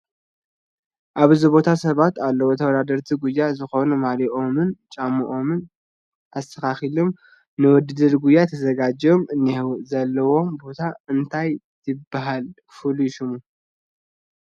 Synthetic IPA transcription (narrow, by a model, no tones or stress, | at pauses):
ʔaβzɨbo̞t̪ʰasɐβat̪alːɐwo̞t̪ʰɐwɐd̪ad̪ɐɾt̪ʰiɡujːazɨxo̞numaliʔomɨnt͡ʃʼamːɨʔo̞mɨn | ʔast̪ʰɐkaxilom | nɨwɔd̪ɨd̪ɨɾɡujːat̪ʰɐzɐɡad͡ʒomɨnːihwzɐlːɐwo̞mbo̞t̪ʰaɨnt̪ʰaj | t̪ʰɨbːaɦal | fɨliʃumu